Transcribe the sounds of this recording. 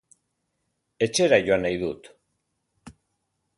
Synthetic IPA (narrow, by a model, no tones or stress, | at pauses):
e̞t͡ʃe̞ɾaʝoanajðut̪